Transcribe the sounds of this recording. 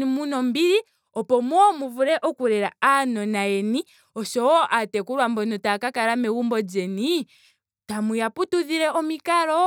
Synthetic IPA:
imunɔmbiɾi | ɔpɔmwɔmuvuɾɛʔɔkuɾɛɾaanɔnaɛni | ɔʃɔwɔʔatɛkuɾwambɔnɔtakakaɾamɛwumbɔd͡ʒɛni | tamujaputuðiɾɛʔɔmikaɾɔ

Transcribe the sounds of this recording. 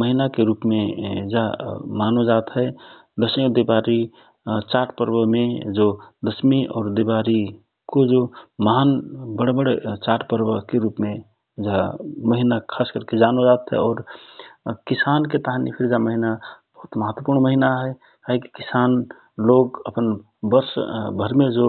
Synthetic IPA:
məɦinakeɾuːpmed͡ʒamaːnod͡ʒaːt̪ɦɛ | d̪əsmid̪ebaɾi | t͡ʃaɾʈpəɾbəmẽd͡ʒod̪əsmiɔ̰ːɾd̪ebaɾi | kod͡ʒoməɦanbəɽebəɽet͡ʃaːɾʈpəɾbəkeɾuːpmẽ | d͡ʒaməɦinakʰaːskəɾked͡ʒanod͡ʒat̪ɦɛ̰ɔːɾ | kisanket̪aɦanḭpʰiɾd͡ʒaməɦinab̥əɦut̪məɦət̪wəpuɾɳməɦinaɦɛ | kaɦiki̥kisaːn | loɡəpən | bəɾsbʱəɾmed͡ʒo

